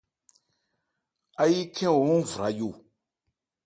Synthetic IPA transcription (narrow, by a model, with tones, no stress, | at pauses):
a˦ji˦kʰɛ̃˦wo˨ũ˦˨vu˨ɾa˨˦jo˦˨